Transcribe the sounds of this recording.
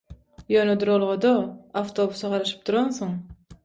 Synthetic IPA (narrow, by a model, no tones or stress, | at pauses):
jonod̪uɾolˠʁod̪oaft̪ʰobusɑqɑɾɑʃɯ̥p̚t̪ʰuɾonsoɴ